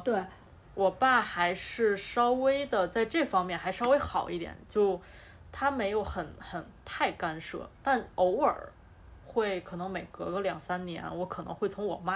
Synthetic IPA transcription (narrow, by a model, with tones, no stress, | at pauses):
t̪we˥˩ɪ | wʔɔ˨˩pa˥˩xa˧˥ɪʂɻ̩˥˩ʂɑ˥ʊwe˥ɪd̪ə˨t͡sa˥˧ɪʈ͡ʂɤ˥˩fɑ˥ŋmʲjɛ˥˩nxa˧˥ɪʂʂɑ˥we˥ɪxɑ˨˩ʊʔi˥˩t̪jɛ̰˨˩˦nt͡ɕjo˥˩ʊ | t̪ʰa˥me˧˥ɪjo˧˥ʊxə˨˩˦nxə˨˩nt̪ʰa˥˩ɪka˥nʂɤ̰˥˩t̪a˥˩no˧˥ʊə̰˞˨˩ | xwe˥˩ɪkʰɤ˨˩nɤ˧˥ŋme˨˩ɪkɤ˧˥kə˥ljɑ˨˩ŋsa˥nnjɛ̰˧˥nwɔ˧˥kʰɤ˨˩nɤ˧˥ŋxwe˥˩ɪt͡sʰʊ˧˥ŋwɔ̰˨˩ma˥˩